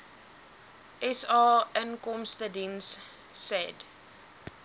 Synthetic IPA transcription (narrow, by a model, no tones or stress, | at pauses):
ʔɛsɑːənkɔmstədinsː | ɛd